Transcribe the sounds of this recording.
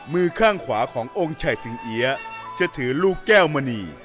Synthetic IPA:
mɯː˧kʰaː˥˩ŋkʰwaː˩˦kʰɔː˩˦ŋʔo˧ŋt͡ɕʰa˨˩jsi˨˩˦ŋʔi˦ɐt͡ɕʰɯ˧˥˩t̪ʰɯː˩˦luː˥˩kːɛː˥˩wma˧niː˧

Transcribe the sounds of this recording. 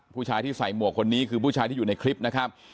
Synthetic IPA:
pʰuː˥˩t͡ɕʰaː˧jt̪iː˥˩sa˨˩jmu˨˩əkʰːo˧nːiː˦˥kʰɯː˧p̬ʰuː˥˩t͡ɕʰaː˧jt̪i˥˩˨uː˨˩na˧jkʰɾi˦˥p̚na˦˥kʰɾa˦˥p̚

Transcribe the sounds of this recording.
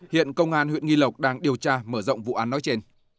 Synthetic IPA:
hḭ˧˨ənkə˧wŋ͡mʔaː˧nhwḭ˧˨ənŋi˧lə˨˩wk͡p̚ɗaː˧ŋɗi˨˩əwt͡ɕaː˧məː˧˩zə̰˧˨wŋ͡mvṵ˧˨ʔaː˨˦nːɔ˨˦jt͡ɕe˧n

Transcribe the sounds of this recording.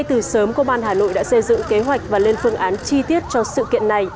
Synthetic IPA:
jt̪ɨ˨˩səː˨˦mko˧ɓaː˧nɦaː˨˩no̰˧˨jɗa̰ː˧˥sə˧jzɨ̰˧˨ŋke˨˦ɦwa˨˩jk̚vaː˨˩le˧nfɨ˧əŋʔaː˨˦nt͡ɕi˧t̪i˦˥ət̚t͡ɕɔ˧sɨ̰˧˨kḭ˧˨ənːa˨˩j

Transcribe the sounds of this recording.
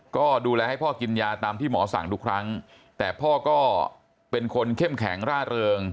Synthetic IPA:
kɔː˥˩duː˧lɛː˧ha˥˩jpʰɔː˥˩ki˧njaː˧t̪aː˧mt̪ʰiː˥˩mɔː˩˦sa̰˨˩˦ŋt̪u˦˥kʰɾa˦˥ŋ | t̪ɛː˨˩pʰɔː˥˩kɔː˥˩ | pe˧nkʰo˧nkʰe˥˩mkʰɛ̰˩˦ŋɾaː˥˩ɾɤː˧ŋ

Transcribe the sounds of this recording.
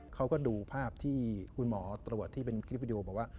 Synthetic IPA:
kʰa˦˥wkɔː˥˩duː˧pʰaː˥˩p̚t̪ʰiː˥˩kʰu˧nmɔː˩˦t̪ɾu˨˩ət̪ʰːiː˥˩pe˧nkʰɾp̚i˧di˧ʔoː˧bɔː˨˩k̚waː˥˩

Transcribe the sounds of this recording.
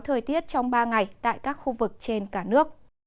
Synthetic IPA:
t̪ʰəː˨˩jt̪i˦˥ət̚t͡ɕɔ˧wŋ͡mɓaː˧ŋa˨˩jt̪a̰ː˧˨jkaː˦˥k̚xu˧vɨ˨˩k̚t͡ɕe˧nkaː˧˩nɨ˦˥ək̚

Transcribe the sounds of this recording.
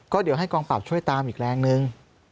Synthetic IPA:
kɔː˥˩di˩˦wɦa˥˩jkɔː˧ŋpa˨˩p̚t͡ɕʰu˥˩əjt̪aː˧mʔiː˨˩k̚ɾɛː˧ŋnɯ˧ŋ

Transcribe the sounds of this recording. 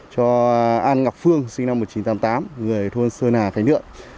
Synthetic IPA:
t͡ɕɔ˧ʔaː˧nŋa˨˩p̚fɨ˧əŋsi˧ŋ̟na˧m̚ː˨˩t͡ɕi˨˦nt̪aː˨˦mt̪aː˨˦mŋɨ˨˩əjt̪ʰo˧nsəː˧naː˨˩xa˧˦ŋnɨ̰˧˨əm

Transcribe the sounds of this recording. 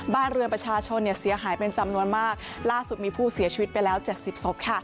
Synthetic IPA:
baː˥˩nɾɯ˧ənpɾa˧t͡ɕʰaː˧t͡ɕʰo˧nːi˥˩ɐsi˨˩˦ɐɦaː˩˦jpe˧nt͡ɕa˧mnu˧ənmaː˥˩k̚ | laː˥˩su˨˩t̪̚miː˧pʰuː˥˩si˨˩˦t͡ɕʰi˧wi˦˥t̪̚pa˧jlɛː˦˥wt͡ɕe˨˩t̪̚si˨˩p̚so˦˥p̚kʰa˥˩

